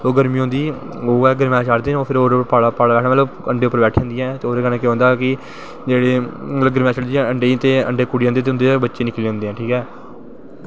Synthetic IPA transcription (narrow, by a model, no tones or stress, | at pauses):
soːɡəɾmĩːõːnd̪iː | oːɛːɡəɾmɛ̃ːt͡ʃaɽd̪eːoːpʰɪɾoːɾəpaːɽaːpaːɽaːbɛːʈʰnmət̪ləbəɳɖeːopːəɾbɛːʈʰːãːnd̪iːɛ̃ːt̪eoːɾeːkəneːkeɦõnd̪aːkɪ | d͡ʒeːɽeːt̪ləbɡəɾmɛːt͡ʃəɽd̪iːəɳɖeːt̪eːə̰ɳɖeːkuɽiãnd̪eːt̪eʊ̃nd̪eːbətːʃeːnɪkleːõːnd̪eːɛ̃ːʈʰiːkɛː